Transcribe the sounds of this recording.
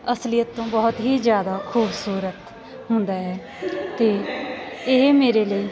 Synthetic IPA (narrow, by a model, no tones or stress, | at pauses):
əslɪjət̪ːõːbɔːʊt̪ɦiːzjaːd̪aːxʰuːbsuːɾət̪ | ɦʊnd̪aːɦɛː | t̪eː | ɪmeːɾeːləiː